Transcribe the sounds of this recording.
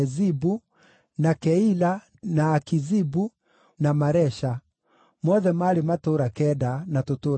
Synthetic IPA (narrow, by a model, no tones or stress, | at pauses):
zibu | nakɛila | naːkizibu | namaɾɛʃa | mɔðɛmaɾematoɾakɛdanatoto